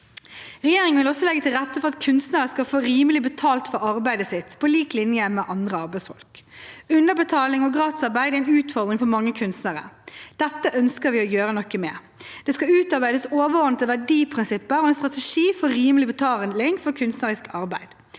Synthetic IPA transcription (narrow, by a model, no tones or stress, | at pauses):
ʁɛjeːɾɪŋənʋɪlɔsːɔlɛɡːət̪ʰɪlʁɛt̪ːəfɔʁɑt̪kʰʉnst̪nəɾəskɑlfoːɾiːməlɪbət̪ʰɑːlt̪fɔɾɑɾbæɪd̪əsɪt̪ːpʰɔliːklɪnjəmɛʔɑnd̪ʁəɑɾbæɪsfɔ̰lkʉnəbət̪ʰɑːlɪŋɔɡʁɑːt̪əsɑɾbæɪd̪æɛɪnʉːt̪fɔɾd̪ʁɾɪŋfɔɾmɑŋːəkʰʉnst̪nəʁə̰d̪̥ɛt̪ːəʔœnskəɾʋɪɔjøːɾənɔkːəmeː | d̪̥ɛskɑʉːt̪ɑɾbæɪd̪əsoːʋəɔnət̪əʋæɖiːpʰʁɪnsɪpːəɾɔɛnst̪ʁɑt̪ɛʂiːfɔɾiːməlɪbət̪ʰɑːlɪŋfɔɾkʰʉnst̪nəɾɪskʰɑɾbæɪd̪̥